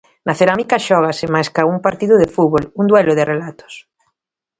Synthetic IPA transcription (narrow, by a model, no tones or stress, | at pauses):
nʔaθeɾamikaʃɔɣ̞asɪmajskauŋpaɾt̪iðʊðefuβoluŋd̪wɛlʊðerelat̪o̥s